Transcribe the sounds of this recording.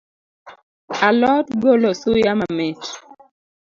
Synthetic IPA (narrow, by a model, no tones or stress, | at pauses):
alɔtɡolosujamamɛt͡ʃ